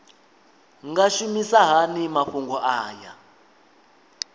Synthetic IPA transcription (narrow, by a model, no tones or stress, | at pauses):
ŋɡaʃumisaɦanimaɸuŋɡɔʔaːja